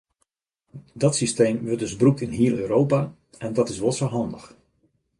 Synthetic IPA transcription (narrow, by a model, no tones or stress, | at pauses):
dɔtsistejmʋøɹtdɵzbrukɪnɦiːəløːɾowpaː | ʔɛndɑtɪsʋɔlˠsowɦɑndəx